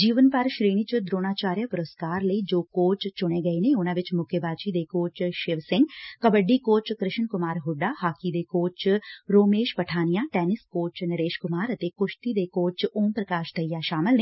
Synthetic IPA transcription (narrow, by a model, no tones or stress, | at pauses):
d͡ʒiːʋənpəɾʃɾeːɽ̃iːt͡ʃd̪ɾoːɽ̃aːt͡ʃaːɾjapʊɾəskaːɾləiːd͡ʒoːkoːt͡ʃt͡ʃʊɽ̃eːɡəiːneːʊnãːʋɪt͡ʃmʊkʰebaːt͡ʃid̪eːkoːt͡ʃʃɪʋsɪ̃ŋɡkəbəɖːiːkoːt͡ʃkɾɪʃənkʊmaːɾɦʊɖaːhaːkid̪eːkoːt͡ʃɾoːmeːʃpəʈʰaːnijaːʈɛːnɪskoːt͡ʃnəɾeːʃkʊmaːɾət̪eːkʊʃt̪id̪eːkoːt͡ʃoːmpɾəkaːʃt̪ʰəijaːʃaːmɪlneː